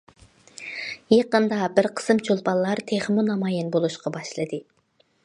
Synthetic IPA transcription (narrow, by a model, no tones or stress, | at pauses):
jɑqənd̪ɑbɪɾqʰə̥sɨmt͡ʃʰolˠpɑllːˠɑɾt̪ʰeχmunɑmɑːjɛnbolˠuʃqɑbɑʃlˠɨd̪ɨ